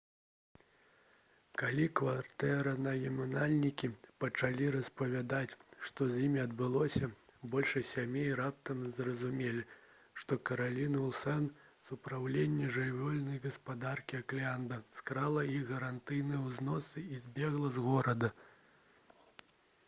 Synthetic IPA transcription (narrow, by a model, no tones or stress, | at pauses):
kalʲikvart̪ɛɾɐnɐjʲɛmunalʲnʲikʲipɐt͡ʂalʲiɾɐspɐvʲad̪at͡sʲʂt̪ɔzʲjimʲiɐd̪̚bɨlˠɔsʲɐbɔlʲʂɐsʲamʲejrap̚t̪ɐmzrɐzumʲelʲi | ʂt̪ɔkɐɾalʲinɨlˠsɛn | supɾawlʲenʲːɛʐɨjʲvʲɔlʲnɐjɣɐspad̪arkʲiaklʲand̪ɐskɾalˠɐiɣɣɐɾant̪ɨjnɨjɛwznɔsɨizʲbʲɛɣlˠɐzɣɔɾɐd̪ɐ